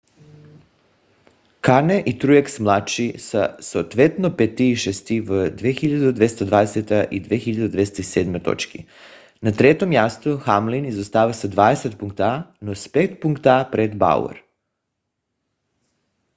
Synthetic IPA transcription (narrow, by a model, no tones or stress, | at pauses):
kaɾneʔit̪ɾujaksmlˠat͡ʃisasot̪ʋet̪nopet̪iːʃest̪iʋd̪ʋexiʎad̪ud̪ʋest̪ad̪ʋaːd̪eset̪aʔid̪ʋexiʎad̪d̪ʋest̪aiseːd̪mojt̪o̞̰t͡ʃkḭ | nat̪ɾet̪omjast̪uxamlinizost̪aːʋasad̪ʋaːd̪eset̪̚puŋk̚t̪anospekt̪puŋkt̪apɾed̪ba̰ṵḛɾ